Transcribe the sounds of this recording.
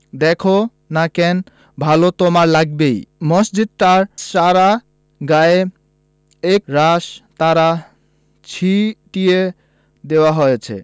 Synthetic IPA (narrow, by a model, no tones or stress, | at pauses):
d̪ɛkʰo | nakɛn | bʱalot̪omaɾlaɡbejmɔsd͡ʑid̪̚taɾʃaɾa | ɡae | ekɾaʃt̪aɾa | t͡ɕʰiʈije | d̪ewaɦojet͡ɕʰḛ